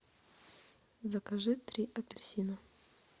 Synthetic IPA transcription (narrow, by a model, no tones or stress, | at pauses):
zɐkɐʐɨt̪ɾʲiʔɐpʲɪlʲsʲinɐ